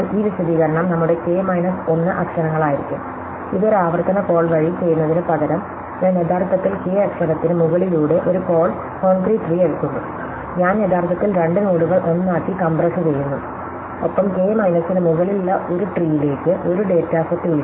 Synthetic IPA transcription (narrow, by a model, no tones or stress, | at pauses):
iːʋiɕɐd̪iːɣɐɾɐɳɐmnɐmːuɽe̞ke̞ːmɐjnɐso̞nːɨʔɐkʂɐnɐŋːɐɭaːjiɾikʲːum | iðo̞ɾaːʋɐrt̪ɐnɐpo̞ːɭʋɐɻijt͡ɕe̞jːunːɐðinɨpɐɣɐɾɐm | eneðaːrt̪ʰːɐt̪ːilkeːɐkʂɐnɐt̪ːinɨmuɣɐɭiluːɽe̞ʔoɾuko̞ːɭ | ko̞ːɳkriːʈriːeɻk̪ːuɳːu | ɲaːneðaːrt̪ʰːɐt̪ːilɾe̞ɳɖɨnoːɽuɣɐɭʔo̞nːaːkːikɐmbrɐsɨt͡ɕe̞jːunːuɨ | opːɐmke̞ːmɐjnɐsinɨmuɣɐɭiluɭːɐʔo̞ɾuʈriːjile̞ːkːɨʔo̞ɾuɖe̞ːtːaːfɐt̪ːuɣɐɭ